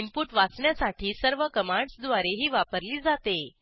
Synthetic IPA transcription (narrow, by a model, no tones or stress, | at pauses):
impuʈʋat͡sɳjasaʈʰiːsəɾʋəkəmaɳɖsd̪ʋaɾeɦiːʋapəɾliːd͡zat̪e